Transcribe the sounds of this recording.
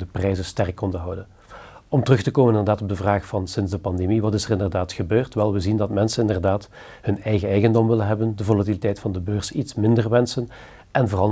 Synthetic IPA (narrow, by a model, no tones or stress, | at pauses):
dəprɛjzəstɛrkːɔndəɦɑwdən | ɔmtərɵxtəkoːmənɪndərdaːtɔb̚dəvraːxfɑnsɪnzdəpɑndemiʋɑtɪsərɪndərdaːtxəbøːrtʋɛlˠʋəzindɑtmɛnsənɪndərdaːt | hɵnɛjɣəɛjɣəndɔmʋɪlənɦɛbəndəvolatilitɛjtfɑndəbøːrsitsmɪndərʋɛnsən | ʔɛnvoːrɑlˠ